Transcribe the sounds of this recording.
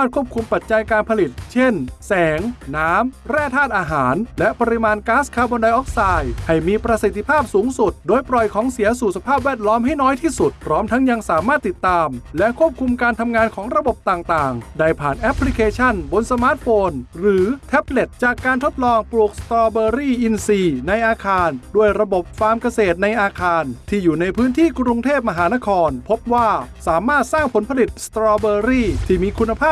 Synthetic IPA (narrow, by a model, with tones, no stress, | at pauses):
maː˥˩t̪̚kʰu˥˩əp̚kʰu˧mpa˨˩t̪̚t͡ɕa˧jkaː˧npʰa˧li˨˩t̪̚t͡ɕʰe˥˩nsɛː˩˦ŋːaː˦˥mɾɛː˥˩t̪ʰaː˥˩t̪̚ʔaː˧ɦaː˩˦nlɛ˦˥ʔpa˧ɾi˧˥maː˧nkaː˦˥skʰaː˧bɔː˧nda˧jʔɔː˦˥k̚saː˧jha˥˩jmiː˧pɾa˧si˨˩t̪ʰːi˧pʰaː˥˩p̚suː˩˦ŋsu˨˩t̪̚doː˧jpɾɔ˨˩jkʰɔː˩˦ŋsi˩˦ɐsuː˨˩sa˧pʰaː˥˩p̚wɛː˥˩t̪̚lɔː˦˥mɦa˥˩jnɔː˦˥jt̪ʰiː˥˩su˨˩t̪̚pʰɾɔː˦˥mt̪ʰa˦˥ŋja˧ŋsaː˩˦maː˥˩t̪ːi˨˩t̪ːaː˧mlɛ˦˥ʔkʰu˥˩əp̚kʰu˧mkaː˧nt̪ʰa˧mŋaː˧nkʰɔː˩˦ŋɾa˧bo˨˩p̚t̪aː˨˩ŋt̪aː˨˩ŋda˧˩jpʰaː˨˩nʔɛ˦˥pʰːli˦˥kʰeː˧t͡ɕʰa˥˩nbo˧nsa˧maː˦˥t̪̚foː˧nɾɯː˩˦t̪ʰɛ˦˥p̚le˨˩t̪̚t͡ɕaː˨˩kːaː˧nt̪ʰo˦˥t̪̚lɔː˧ŋpɾu˨˩k̚st̪ɾɔː˧bɤː˧ɾiː˥˩ʔi˧nsiː˧na˧jʔaː˧kʰaː˧ndu˥˩əjɾa˧bo˨˩p̚faː˧mka˧seː˨˩t̪̚na˧jʔaː˧kʰaː˧nt̪ʰiː˥˩juː˨˩na˧jpʰɯː˦˥nt̪ʰiː˥˩kɾu˧ŋt̪ʰeː˥˩p̬̚ma˧ɦaː˩˦na˦˥kʰɔː˧npʰo˦˥p̚waː˥˩saː˩˦maː˥˩t̪̚saː˥˩ŋpʰo˩˦npʰa˧li˨˩t̪̚st̪ɾɔː˧bɤː˧ɾiː˥˩t̪ʰiː˥˩miː˧kʰu˧nːa˧pʰaː˥˩